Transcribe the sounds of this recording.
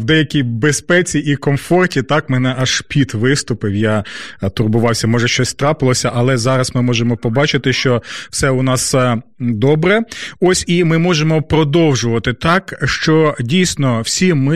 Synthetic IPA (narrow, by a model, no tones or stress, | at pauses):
wd̪ɛjɐkʲijbespɛt͡sʲiʔikɔmfɔrtʲit̪ɑkmɛnɛʔɐʃpʲid̪ʋɪst̪ʊpɪwjat̪ʊrbʊʋɑwsʲɐmɔʒɛʃt͡ʃɔsʲt̪ɾɑpɪlˠɔsʲɐʔɐlˠɛzɑɾɐsmɪmɔʒemɔpɔbɑt͡ʃɪt̪ɪʃt͡ʃɔwsɛʊnɑsd̪ɔbɾɛɔsʲimɪmɔʒemɔpɾɔd̪ɔwʒʊʋɐt̪ɪt̪ɑkʃt͡ʃɔdʲijsʲnɔwsʲimɪ